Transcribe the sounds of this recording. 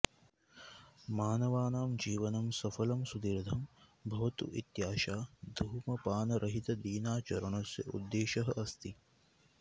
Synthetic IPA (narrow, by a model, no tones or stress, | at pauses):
maːnɐʋaːnaːmd͡ʒiːʋɐnɐmsɐfɐlɐmsud̪iɾd̪ʱɐmbʱɐʋɐt̪ṵʔit̪jaːʃaːd̪ʱuɦmɐpaːnɐɾʔɐɦit̪ɐd̪iːnaːt͡ʃɐɾɐɳɐsjɐʔṵd̪ːeːʃɐɦɐʔɐst̪i